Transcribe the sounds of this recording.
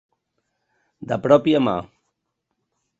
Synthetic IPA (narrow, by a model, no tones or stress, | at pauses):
d̪əpɾɔpiama̰